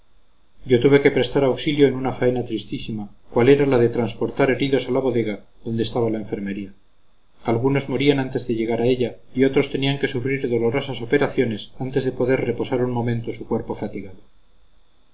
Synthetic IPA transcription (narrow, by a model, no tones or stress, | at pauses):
ɟ͡ʝo̞t̪uβe̞ke̞pɾe̞st̪aɾawksiljo̞enunafae̞nat̪ɾist̪isimakwale̞ɾalaðe̞t̪ɾanspo̞ɾt̪aɾe̞ɾiðo̞salaβo̞ðe̞ɣaðo̞nd̪est̪aβalae̞ɱfe̞ɾme̞ɾia | alɣuno̞zmo̞ɾianant̪e̞zðe̞ʎe̞ɣ̞aɾae̞ʎaio̞t̪ɾo̞st̪e̞niaŋke̞sufɾiɾðo̞lo̞ɾo̞saso̞pe̞ɾaθjo̞ne̞sant̪e̞zðe̞po̞ðeɾre̞po̞saɾunmõ̞mẽnt̪o̞sukwe̞ɾpo̞fat̪iɣaðo